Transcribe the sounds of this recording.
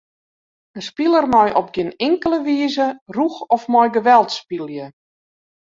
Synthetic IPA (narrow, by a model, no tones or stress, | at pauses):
ənspilˠərmɔjʔɔp̚ɡɪnɪŋkələʋiəzəruxɔfmɔjɡəʋɛlˠtspilˠjə